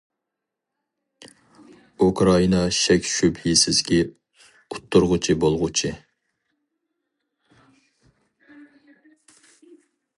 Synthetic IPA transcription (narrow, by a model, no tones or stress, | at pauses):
ukɾɑinɑʃɛkʲʃyphisɪz̥kʲɛ | ut̪ʰːuɾʁʊt͡ʃʰibolˠʁʊt͡ʃʰi